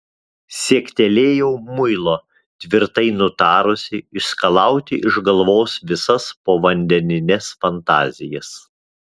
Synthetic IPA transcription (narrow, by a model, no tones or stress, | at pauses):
sʲiɛkʲt̪ʲɛlʲeːjɛʊmʊɪlˠoː | t̪ʲʋʲɪɾt̪ɐɪnʊt̪ɑːɾʊsʲɪɪskɐlˠɑˑʊt̪ʲɪʔɪʒɡɐlˠʋoːsʋʲɪsɐspoːʋɐnʲd̪ʲɛnʲɪnʲɛsfɐnt̪ɑ̰ːzʲɪjɛs